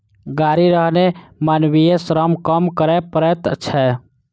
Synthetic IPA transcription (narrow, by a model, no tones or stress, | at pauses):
ɡaɾiɾəɦnemanwijesɾəmkəmkəɾɛpəɾɛt̪t͡ʃʰɛ